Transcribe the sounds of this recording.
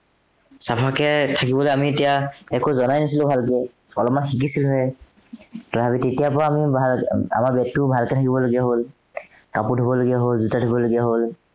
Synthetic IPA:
sapʰakɛtʰakibɔloeamietijaɛkozɔnajnisilʊ̃bʱalkɛ | ɔlɔp̚manxik̬isilɦɔɛ | tɔbabitetijapɔɹaːmibʱala̰maɹbɛtːʊbʱalkɛtʰakibɔloɡijaɦol | kaputubɔloɡijaɦolzutadʰʱubɔloɡijaɦol

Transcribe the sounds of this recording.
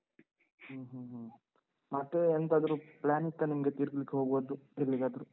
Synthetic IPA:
huːɦuɦ | mɐt̪ːeent̪aːd̪ɐɾuplaːnit̪ːɐnimɐɡet̪iːɾkɐlikːeɦo̞ːɡboːd̪uelːiɡaːd̪ɐɾu

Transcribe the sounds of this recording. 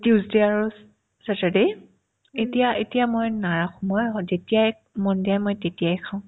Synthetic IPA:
tjuzdeaɹu | satɛdej | etijaʔetijamojnaɹaxɔmɔjɦɔzetijaj | mɔndiajmojtetijajkʰaʊ̃

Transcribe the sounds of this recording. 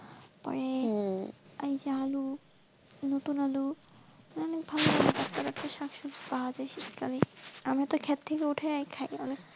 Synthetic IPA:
pɔ̰ɾe | ajd͡ʑaɦalu | not̪unalu | ɔnek̚bʱaloaed̪ɔkt̪aɾakt̪aʃakʃud͡ʑpaɦad͡ʑajʃiʃkaliamat̪okʰɛt̪t̪ʰːekeuʈʰaajkʰajɔnek̚

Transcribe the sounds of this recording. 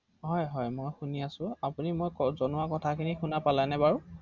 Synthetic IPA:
ɦɔjɦɔjmojxuniasʊ̃apunimojkɔzɔnʊwakɔtʰakʰinixunapalajnɛbaɹu

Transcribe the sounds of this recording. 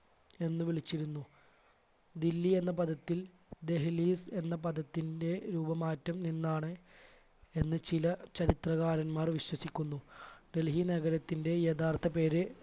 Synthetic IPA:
e̞nːɨʋiɭit͡ɕːiɾunːu | d̪ilːie̞nːɐpɐd̪ɐt̪ːil | d̪e̞ɦɐliːse̞nːɐpɐd̪ɐt̪ːinde̞ɾuːbɐmaːtːɐmninːaːɳɨ | e̞nːɨt͡ɕilɐt͡ɕɐɾit̪rɐɣaːɾɐnmaːrʋiɕwɐsikʲːunːuɖe̞lɦineɣɐɾɐt̪ːinde̞jɐd̪aːrt̪ʰɐpe̞ːɾɨ

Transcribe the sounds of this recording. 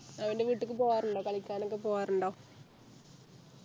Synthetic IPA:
ɐʋɐndeʋiːʈːɨkːɨpoːjaːruɳɖoːkɐɭikʲːaːnokːepoːjaːruɳɖoː

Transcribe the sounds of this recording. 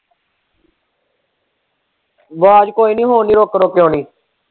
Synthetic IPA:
ʋaːd͡ʒkoːiːnĩːɦoːniːɾoːkɾoːkeoːniː

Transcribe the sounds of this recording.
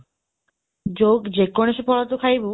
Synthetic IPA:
d͡ʑoɡd͡ʑekːoneʃepʰɔlat̪okʰajbu

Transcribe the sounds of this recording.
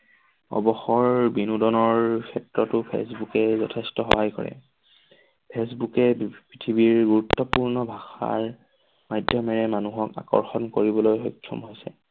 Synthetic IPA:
ɔ̰bɔxɔɹbinudɔnɔɹkʰɛtɹɔtʊpʰḛsbukɛzɔtʰɛstɔxɔɦajkɔ̰ɹɛ̰ | pʰesbukɛpɹitʰibiɹɡuɹutːɔpuɹnɔbʱaxa̰ɹ | majdʱjɔmɛɹɛmanuɦɔka̰kɔ̰ɹxɔnkoɹibɔlojxɔjkʰːɔ̰mɦojsɛ̰

